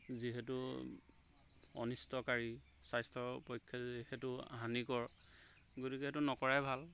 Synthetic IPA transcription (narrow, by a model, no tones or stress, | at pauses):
ziɦɛtu | ɔ̰nistɔkaɹi | sajstɹɔpɔjkʰːjaihɛtʊa̰ɦanikɔɹ | ɡotikɛɦɛtunɔkɔɹajbʱal